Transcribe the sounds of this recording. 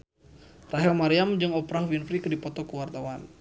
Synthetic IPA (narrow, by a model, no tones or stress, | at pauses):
raɦɛlmaɾiamd͡ʒɨŋɔpɾahwinfɾikdipɔt̪ɔkuwart̪awan